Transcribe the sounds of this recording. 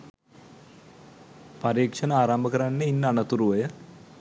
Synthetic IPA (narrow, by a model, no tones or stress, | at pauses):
pɐɾiːkʂɐnaaːɾambəkəɾanːeinːanɐt̪uɾuʋɐjə